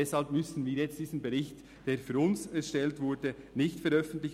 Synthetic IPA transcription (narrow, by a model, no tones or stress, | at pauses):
ɛshalp̚mʏsn̩viːjɛt͡std̥iːzn̩bɛʁɪçt | d̥eːɾfyːɾʊnsɛʃtɛltvʊdənɪçtfɛɾœfn̩tlɪç